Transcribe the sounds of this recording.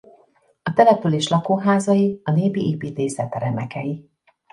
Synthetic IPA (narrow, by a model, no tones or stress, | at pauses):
ɒt̪ɛlɛpyleːʃlɒkoːɦaːzɒjiɒneːbiʔeːpiːt̪eːsɛt̪ɛɾɛmɛkɛji